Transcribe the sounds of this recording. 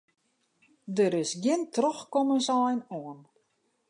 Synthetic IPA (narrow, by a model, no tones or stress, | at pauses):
dəɾɪsɡjɪntrɔxkɔmənsajnoən